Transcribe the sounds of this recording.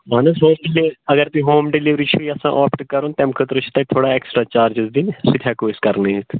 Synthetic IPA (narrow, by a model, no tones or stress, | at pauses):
maːnəsɦoːmɖileəɡəɾt̪iːɦoːmɖɪliʋɾiːt͡ʃʰuiəsã̰ːʔɔːpʈkːəɾoːnt̪ɛmkʰət̪ɾot͡ʃʰt̪ẽt̪ʰoːɽaːeːksʈɾaːt͡ʃaːɾd͡ʒɪzd̪iːnsɪt̪ʰaːkoːskəɾnet̪